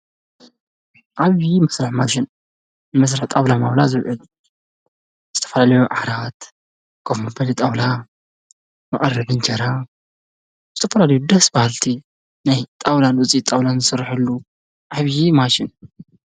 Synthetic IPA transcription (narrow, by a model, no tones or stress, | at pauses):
ʔaβjimɐsɾaħmaʃɪn | nɨmɐs̬ɾaħt̪ʼawlamawlazɨwʕɨl | z̥ɨt̪ʰɐ̥fɐlalɐjuʔaɾat̪ | ɡ̥ʰofmɐbɐlit̪ʼawla | mɐʔʼɐrːɐbɨnt͡ʃʰɐɾa | bɨt̪ʰʼɐfɐlalɐjud̪ɐsbahalt̪ʰi | najt̪ʼawlalut͡sʼit̪ʼawlanzɨsɐɾːħɨlːu | ʔaβjimaʃɪn